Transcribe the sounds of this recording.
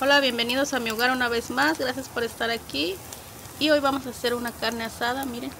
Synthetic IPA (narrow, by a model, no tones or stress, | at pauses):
o̞laβje̞mbe̞niðo̞samioɣaɾunaβe̞zmazɡɾasjaspo̞ɾe̞st̪aɾakiː | o̞jβamo̞sase̞ɾunakaɾne̞asaðamiɾen